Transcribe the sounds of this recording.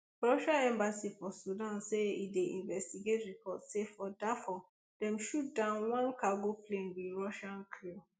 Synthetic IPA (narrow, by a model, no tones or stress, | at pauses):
ɹɔʃãɛ̃mbasifɔsudãnseḭdeʔḭ̃nvɛstiɡetɹipʰɔtsefɔdɛfɔ | d̥ɛ̃mʃut̚dãnwãnkaɡoplẽnbiɹɔʃãnkʰi